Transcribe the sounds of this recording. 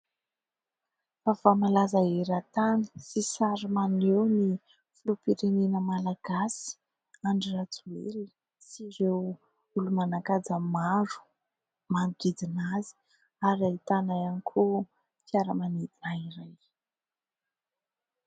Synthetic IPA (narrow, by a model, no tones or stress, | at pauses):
favamalazaeɾat̪ani̥sisaɾimanewni | fulupiɾenenəmalaɡ̥asi̥ | aɳɖ͡ʐirat͡sueɾi | siɾew | ulumanakad͡zəmaɾu̥ | manɡid͡zinazi̥ | aɾait̪anajanikʰu | fiaɾəmanid̪inaiɾaj